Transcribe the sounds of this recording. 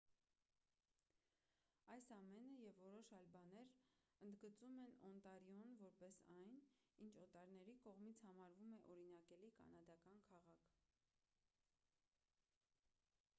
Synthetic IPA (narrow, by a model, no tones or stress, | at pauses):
ɑjsɑmɛnəjɛvːɔɾɔʃɑjlbɑnɛɾənd̪ɡət͡sumɛnɔ̰nt̪ɑɾjɔnvɔɾpɛsɑjn | int͡ʃʰɔt̪ɑɾnɛɾikɔʁmit͡sʰhɑmɑɾvumɛʔɔɾinɑkɛlikɑ̰nɑd̪ɑkɑnkʰɑʁɑkʰ